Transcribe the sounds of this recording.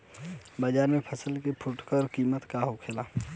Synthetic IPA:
baːd͡ʒaːɾmẽpʰəsəlkepʰʊʈkəɾkiːmət̪kaɦokʰelaː

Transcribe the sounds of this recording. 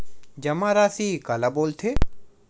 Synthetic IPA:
d͡ʒɐmãɾaːsikalaboːlt̪ʰe

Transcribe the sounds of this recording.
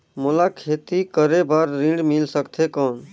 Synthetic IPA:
molakʰet̪ikəɾebaɾːĩɳɖmilsəkt̪ʰekɔn

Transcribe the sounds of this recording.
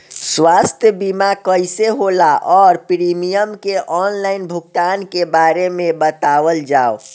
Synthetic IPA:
swast̪ʰjəbimakəjseɦolaʔɔːɾpɾimijəmkeʔɔnlainbʱuɡ̚t̪ankebaɾemebət̪aʋəld͡ʒao

